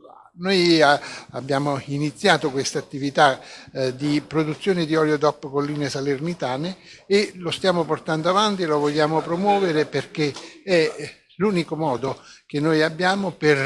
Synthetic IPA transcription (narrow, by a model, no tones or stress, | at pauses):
noj | abːjaːmoinit̪sːjaːt̪okwest̪at̪ːivit̪ad̪ipɾod̪ut̪sːjoːnɪd̪iɔljod̪ɔpːkolːiːnesalernit̪aːneːlost̪jaːmoport̪and̪oavant̪ielovoʎːaːmopɾomwɔːveɾeperk̟eɛ | luːnikomɔːd̪ok̟enːojabːjaːmoper